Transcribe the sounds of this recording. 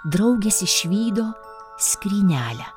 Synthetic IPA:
d̪ɾɐʊɡʲesʲɪʃʲʋʲiːd̪oː | sʲkʲɾʲiːnʲæːlʲɛ

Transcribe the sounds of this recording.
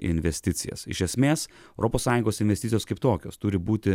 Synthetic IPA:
ɪ̰nʲʋʲɛsʲt̪ʲɪt̪sʲɪ̰jɛ̰sɪ̰ʃʲɛsʲmʲeːs | ɛʊɾʔoːpoːsːɑːjʊŋɡoːsɪnʲʋʲɛsʲt̪ʲɪt̪ʲɪjoːskɐɪpt̪oːkʲo̰ːst̪ʊɾʲɪbuːt̪ʲɪ

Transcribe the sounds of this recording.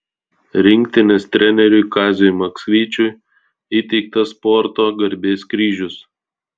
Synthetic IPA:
ɾʲɪŋʲkt̪ʲɪnʲest̪ʲɾʲɛnʲɛɾʲʊɪkɑːzʲomɐksʲʋʲiːt͡ʃʲʊj | iːt̪ʲɛɪk̚t̪ɐspɔɾt̪oːɡɐɾʲbʲeːskɾʲiːʒʲʊs

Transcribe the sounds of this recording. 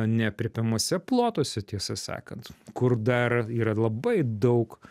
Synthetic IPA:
nʲɛpʲɾʲɪpʲɛmoːsʲɛplˠoːt̪oːsʲɛt̪ʲiɛsɐsɑ̰ːkɐnt̪kʊrd̪ɐriːɾɐlˠɐbɐɪd̪ɐʊk

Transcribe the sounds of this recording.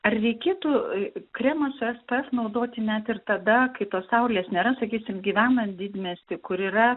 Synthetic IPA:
ɐrrʲɛɪkʲeːt̪ukɾʲɛːmɐsʊɛspɛɛsnɐʊd̪oːt̪ʲɪnʲæt̪ɪrt̪ɐd̪ɐkɐɪt̪oːssɐʊlʲeːsnʲeːɾɐsɐkʲiːsʲɪmɡʲiːʋʲæːnɐd̪ʲɪd̪ʲmʲesʲt̪ʲɪkʊɾiːɾɐ

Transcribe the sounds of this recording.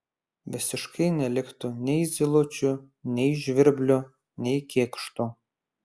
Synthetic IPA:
ʋʲɪsʲɪʃkʰɐɪnʲɛlʲɪkt̪ʊnʲɛɪzʲɪlˠot͡ʃʲʊ | nʲɛɪʒʲʋʲɪɾʲbʲlʲo | nʲɛɪkʲeːkʃt̪ʊ

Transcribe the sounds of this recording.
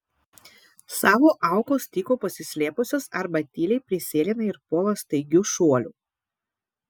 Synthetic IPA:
sɑːʋoːʔɑˑʊkoːst̪ʲiːkoːpɐsʲɪsʲlʲeːpʊsʲoːsɐɾbɐt̪ʲiːlʲɛɪpʲɾʲɪsʲeːlʲɪnɐɪɾpoːlˠɐst̪ɐɪɡʲuːʃuɔlʲṵː

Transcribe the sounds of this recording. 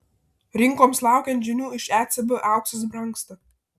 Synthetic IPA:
ɾʲɪŋkoːmslˠɑˑʊkʲɛnt̪ʒʲɪnʲuːɪʃæːt̪sʲɛbɨʔɑˑʊksɐs̬bɾɐŋkst̪ɐ

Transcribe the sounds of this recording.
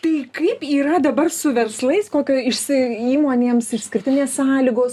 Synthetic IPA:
t̪ɐɪkɐɪpiːɾɐd̪ɐbɐrsʊʋʲɛrslˠɐɪskoːkʲoːɪʃʲsʲɪiːmoːnʲeːmsɪʃʲsʲkʲɪɾʲt̪ʲɪnʲeːssɑːlʲiːɡoːs

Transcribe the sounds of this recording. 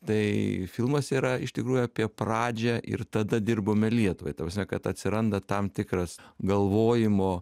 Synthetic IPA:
t̪ɐɪfʲɪlˠmɐsiːɾɐɪʃt̪ʲɪkɾuːjʊɑːpʲiɛprɑːd͡ʒʲɛʔɪ̰rt̪ɐd̪ɐd̪ʲɪrboːmʲɛlʲiɛt̪ʊʋɐɪt̪ɐpɾrɐsmʲɛkɐt̪ɐt̪ʲsʲɪɾɐnd̪ɐt̪ɐmt̪ʲɪkɾɐsɡɐlˠʋoːjɪmoː

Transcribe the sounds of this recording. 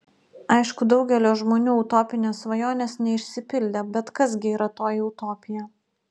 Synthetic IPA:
ɐɪʃkʊd̪ɒʊɡʲɛlʲoːʒmoːnʲuːɐʊt̪oːpʲɪnʲeːsʋɐjoːnʲeːsnʲɛɪʃʲsʲɪpʲɪlʲd̪ʲebʲɛt̪kɐs̬ɡʲɪiːɾɐt̪oːjiɔʊt̪oːpʲɪjɛ

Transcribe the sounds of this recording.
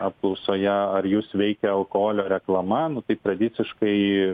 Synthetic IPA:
ɐp̚klˠɐʊsoːjɛɐɾjuːsʋʲɛɪkʲɛɐlˠkohoːlʲoːɾʲɛklˠɐmɐnʊt̪ɐɪt̪ɾɐd̪ʲɪsʲɪʃkɐɪ

